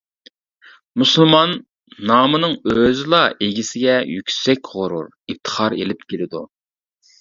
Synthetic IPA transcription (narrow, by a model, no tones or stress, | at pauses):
muslˠmɑnː | ɑːmɨnɨŋøzɪlˠɑʔeɡʲisɪɡʲɛjykʲsɛkʲʁoɾṵɾ | ip̚t̪ʰə̥χɑɾḛlɪp̚kʲʰelɪd̪u